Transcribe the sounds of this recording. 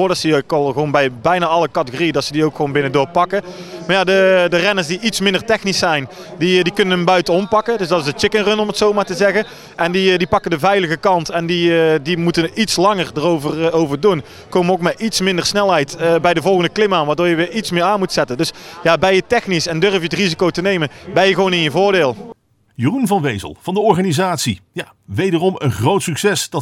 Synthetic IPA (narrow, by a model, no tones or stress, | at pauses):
oːdɑtsəkɑlˠɣəʋownbɛjbɛjnaːɑləkɑtəoːriədɑtsədiowkxownbɪnədʊːɹpɑkəmaːɹjadədərɛnəɹsdiʔitsmɪndərtɛxnisɛjn | didikɵnənɦəmbœɥtənɔmpɑkədɵsdɑtɪsət͡ʃɪkənrɵnɔmətsowmaːɹtəzɛɣə | ʔɛndidipɑkədəvɛjləɣəkɑntɛndidimutənitslɑŋərdərowvərowvəɹdun | kowmənowkmɛtitsmɪndəɹsnɛlˠɦɛjtbɛjdəvɔlˠɣəndəklɪmaːnʋaːɹdʊːɹjəʋɪːɹitsmɪːɹaːnmutsɛtəndɵsjaːbɛjətɛxnisɛndørvəjətrizikowtənejmənbɛjəɣʋownɪnjəvʊːɹdɪːlˠ | jərunvɑnʋejzə̰lˠv̥ɑndəɔɹχaːnizaːtsija | ʋejdərɔmənχrowtsyksɛsd̥ɑ